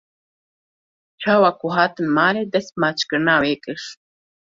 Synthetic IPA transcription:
t͡ʃʰaːwakuɦaːt̪ɨnmaːɾed̪ɐspmaːt͡ʃʰkəɾnaːwekʼəʂ

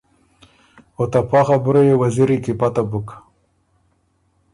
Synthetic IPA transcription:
ot̪apʰɑχabuɾojewaziɾikipat̪abuk

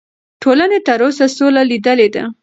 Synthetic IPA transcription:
ʈʰolanet̪əɾosasolalid̪əled̪a̰

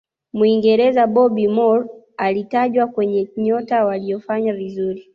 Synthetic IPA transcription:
muiŋɡɛɾɛzaɓɔɓimɔɾ | alitaʄwakwɛɲɛɲɔtawaliɔfaɲavizuɾi

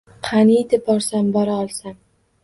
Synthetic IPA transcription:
qʰɑnid̪ɪb̚ɒɾsambɒɾaɒlˠsam

